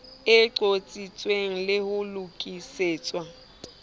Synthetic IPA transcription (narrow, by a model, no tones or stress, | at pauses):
ɪǀot͡sʼit͡sʼweŋ̩lɪhʊlukʼiseːt͡sʼwa